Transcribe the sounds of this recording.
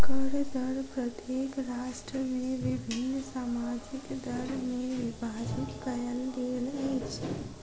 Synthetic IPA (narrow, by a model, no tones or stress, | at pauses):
kəɾd̪əɽpɾət̪jeːkɾaːʃʈɾəmẽʋibʱɪnːsaːmaːd͡ʒikd̪əɽmẽʋibʱaːd͡ʒit̪kəjəld̪eːlet͡ʃʰ